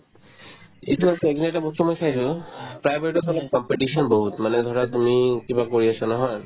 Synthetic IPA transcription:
ituasɛɛkinatabɔstumojsajsʊ̃pɹajbeitɔtɔlɔkɔmpeʈisɔnboɦutmanɛd̪ʱɔɹatumikibakoɹiasanɔɦɔj

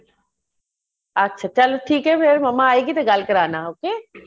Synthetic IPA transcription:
ɐtːʃʰat͡ʃɐloʈʰiːkɦɛpʰeɾmɐmaaːeɡit̪eɡaːlkəɾaːnaɦoːkeː

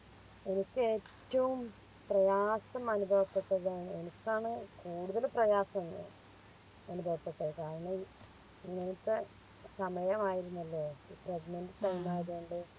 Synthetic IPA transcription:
e̞nikʲːɨe̞ːtːɐʋum | prɐjaːsɐmɐnubʱɐʋɐpːeʈ̪ːɐðaːɳe̞nikʲːaːɳɨkuːɽuðɐlprɐjaːsɐmɨ̰ | ɐnubʱɐʋɐpːet̪ːɐkaːɾɐɳɐ | iŋːɐnɐt̪ːɨ | sɐmɐjɐmaːjiɾunːɐlːo̞ːiːpreɡinɐndɨtɐjmaːjɐðuuɳɖɨ

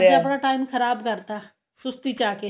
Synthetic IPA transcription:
əpɳaːʈaːimkʰəɾaːbkəɾt̪aː | sʊst̪iːt͡ʃaːkeː

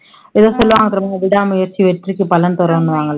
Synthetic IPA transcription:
iðoːsolːɐʋaːŋːɐt̪rɐmɐŋːɐʋiɽaːmujɐrt͡ɕiʋeʈːirikʲːɨpɐlɐnt̪urɐmonːuʋaːŋːɐɭe

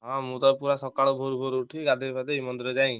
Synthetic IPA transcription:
ɦãmũt̪ɔpuɾasɔkaɽɔbʱoɾubʱoɾuʈʰiɡad̪ʱebad̪eimɔnd̪ɾɔd͡ʒaj̃

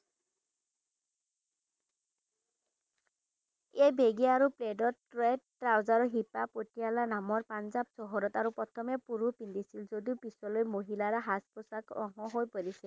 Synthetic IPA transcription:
ejbeɡiaaɹupledɔtɹedtɹawzaɹɔɦipapotijalanamɔɹpanzabsɔɦɔɾɔt̪aɹupɔt̪ʰɔmɛpuɹupindisilzodiupisɔlojmoɦilaɹaɦaspɔsakʔɔ̰ŋɔɦojpoɹisɛ

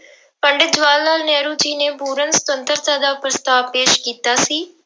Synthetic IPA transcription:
pəɳɖɪt̪d͡ʒʋaːlnaːlnɛːɾuːd͡ʒiːneːpuːɾənsə̥t̪ənt̪əɾt̪aːd̪aːpɾəst̪aːʋpeːʃkiːt̪aːsiː

